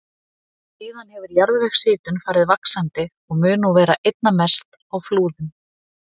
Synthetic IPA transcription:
siːðanhɛvʏɾjaɾðvɛxsɪːt̪ʏnfaːɾɪðvaksant̪ɪ | ɔɣmʏːnuvɛːɾaʔejt̪̚namɛst̪ | awfluːðʏm

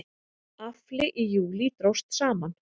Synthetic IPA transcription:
aflɪʔijuːlit̪ɾowst̪saːman

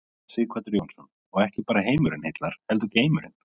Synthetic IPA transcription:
sɪːkʰvat̪ʏɾjownsɔn | ɔɣɛhcɪpaːɾaɦeːjmʏɾɪnhejt̪laɾ̥hɛlt̪ʏɾceːjmʏɾɪ̰n

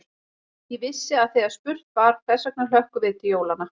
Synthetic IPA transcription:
ivɪsːɪaðθejɣaɾ̥spʏr̥t̪vaɾ̥θɛsːak̚nʏlœhkʏvɪːt̪ɪjoːwlana

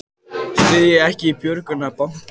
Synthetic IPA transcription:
svɪðjɪɛhcɪipjœɾkʏnapawn̥t̪

